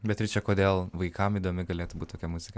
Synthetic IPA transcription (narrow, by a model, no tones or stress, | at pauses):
bʲɛt̪ɪɾt͡ʃʲɛkoːd̪ʲeːlˠʋɐɪkɐmiːd̪oːmʲɪɡɐlʲeːt̪ʊbuːt̪t̪oːkʲɛmʊzʲɪkɐ